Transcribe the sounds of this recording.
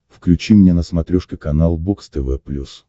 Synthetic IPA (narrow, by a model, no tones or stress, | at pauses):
fklʲʉt͡ɕimnʲenəsmɐt̪ɾʲoʂkʲəkɐnalˠbokst̪ɛvɛplʲus